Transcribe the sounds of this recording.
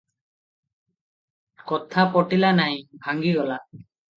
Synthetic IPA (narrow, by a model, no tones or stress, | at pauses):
kɔt̪ʰapɔʈilanajbʱaŋɡiɡɔla